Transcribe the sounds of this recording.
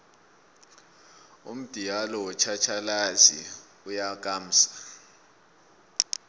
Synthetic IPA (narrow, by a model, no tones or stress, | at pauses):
ṵm̩d̥ʱijalɔwɔt͡ʃʰat͡ʃʰalazi | ujak̬ʼaːm̩ːsḁ